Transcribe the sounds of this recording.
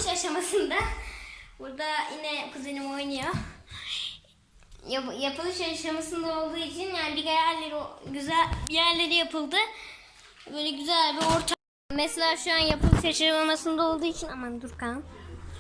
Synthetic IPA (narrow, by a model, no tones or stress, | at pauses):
ʃaʃamasɯnd̪a | buɾd̪ajinɛkʰɯzɯnɯmo̞jnajo | jajapʰɯlˠɯʃaʃamasɯnd̪ao̞lˠd̪uːit͡ʃʰinjaːnibiɡajæɾlʲeɾioɟyzælʲbijæɾlʲe̞ɾijapʰɯlˠd̪ɯ | bøjlʲɛɟyzælʲbio̞ɾt̪ʰa | mɛselʲaːʃuanjapʰɯlˠɯʃjaʃɯɾamamasɯnd̪ao̞lˠd̪uːit͡ʃʰinamand̪uɾkʰan